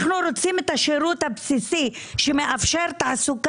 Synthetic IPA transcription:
χnuɾot͡simet̪haʃeɾut̪habsisiʃemeʔafʃeɾt̪ʕasuk

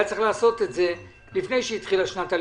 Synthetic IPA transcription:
at͡sʁeχlaːso̞t̪etze̞ | lifne̞jʃeit̪χilaʃnat̪al

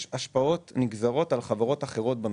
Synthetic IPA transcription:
ʃaʃpao̞tniɡzaʁo̞talχavaʁo̞taχe̞ʁo̞t̚bam

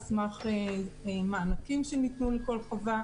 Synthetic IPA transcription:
smaχeemaːnakimʃenit̪nuleko̞lχova

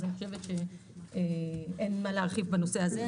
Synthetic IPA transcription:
aniχoʃevet̪ʃe̞eenmalaːʁχivbano̞seaze

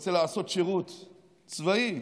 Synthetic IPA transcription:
t͡selaːso̞t̪ʃeʁut̪ | t͡svai

